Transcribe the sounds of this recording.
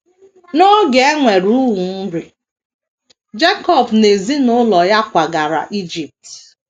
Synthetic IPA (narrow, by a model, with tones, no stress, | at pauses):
no˦ɡe˨e˦ŋʷe˨ɾu˦wu˨n̩˦ɾi˨ | d͡ʒe˦kɔ˦˨bne˨zi˦nʊ˦lɔ˨ja˦kʷa˨ɡa˨ɾa̰˨ʔi˦d͡ʒi˨p̚t